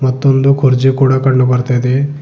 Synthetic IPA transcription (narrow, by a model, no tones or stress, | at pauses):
mɐt̪ːond̪ukʰuɾd͡ʒekuːɽakɐɽɳːubɐɾt̪ajd̪e